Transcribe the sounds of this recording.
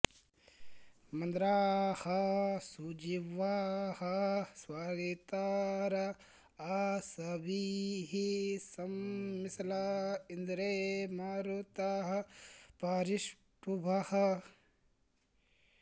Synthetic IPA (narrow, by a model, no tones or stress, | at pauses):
mɐnd̪ɾaːhɐsud͡ʒiʋahɐswaːɡet̪aɾɐ | asɐbʱiɦisɐmːislaind̪ɾemaɾut̪aɦɐpaːɾiʃ | pubʱahɐ